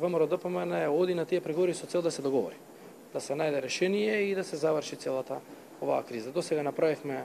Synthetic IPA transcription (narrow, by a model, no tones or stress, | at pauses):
vəməɾɔd̪əpəmanɛɛod̪inat̪ijɛpɾɛɡovɔɾisɔt̪ɛlˠd̪asɛd̪ɔɡɔvɔ̰ɾi | d̪̥asɛnajd̪ɛɾɛʃɛnijɛid̪asɛzavəɾʃit̪sɛlˠat̪a | ova̰ːkɾizad̪osɛɡanapɾavifmɛ